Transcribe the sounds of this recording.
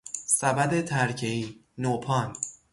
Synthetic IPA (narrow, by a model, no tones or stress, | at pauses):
sæbæd̪e̞t̪ʰæɾcʰeiːnoːpʰɒːn